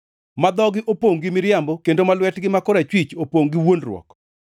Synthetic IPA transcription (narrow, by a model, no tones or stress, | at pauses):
mad̪ɔɡɪʔopoŋɡɪmɪɾjambɔkendomalwɛtɡɪmakɔɾat͡ʃwit͡ʃopoŋɡɪwonrwɔ̰k